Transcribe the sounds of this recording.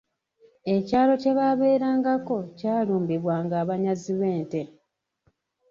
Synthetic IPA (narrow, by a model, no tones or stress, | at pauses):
e̞caːlo̞ce̞βaːβe̞ːɾaːŋɡako̞caːluːmbiβwaːŋɡaːβaɲaziβe̞ːnte̞